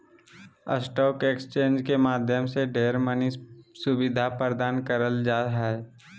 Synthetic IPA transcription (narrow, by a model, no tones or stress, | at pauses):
ə̰sʈɔːkekst͡ʃẽːnd͡ʒkemaːd̪ʱjəmseɖeːɾmənisʊbɪd̪ʱapɾɾəd̪aːnkəɾəld͡ʒaːɦɛː